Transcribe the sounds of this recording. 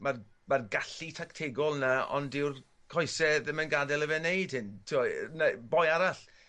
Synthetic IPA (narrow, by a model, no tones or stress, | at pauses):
mar | marɡaɬitʰaktʰeɡɔlˠnaɔ̰ndɪwr | kʰɔjsɛðəmənɡadɛlˠəvɛnejd̥hɪntʰɪwɔnabɔjaɾaɬ